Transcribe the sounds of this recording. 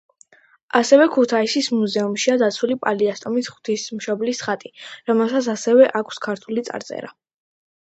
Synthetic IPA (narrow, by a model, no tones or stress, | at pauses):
asɛvɛkʰut̪ʰaisismuzɛumʃiad̪at̪sʰulipʼaliast̪ʼɔmisχw̥t̪ʰismʃɔblisχat̪ʼiɾɔmɛlˠsat̪sʰasɛvɛʔakʰskʰaɾt̪ʰulit̪sʼa̰ɾt̪sʼɛ̰ɾa̰